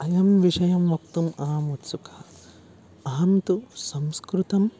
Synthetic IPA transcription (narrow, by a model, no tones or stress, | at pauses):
ɐjɐmʋiʂɐjɐmʋɐkt̪umaːmut̪sukʰɐ | ɐɦɐmt̪usɐmskɾut̪ɐm